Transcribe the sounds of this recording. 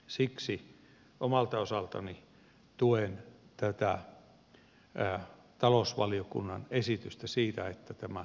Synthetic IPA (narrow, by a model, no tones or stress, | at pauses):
siksi | omɑlt̪ɑosɑlt̪ɑ̰ni | t̪uent̪æt̪æ̰ | t̪ɑlosʋɑliokṵnːɑnesit̪yst̪æsiːt̪æet̪ːæt̪æmæ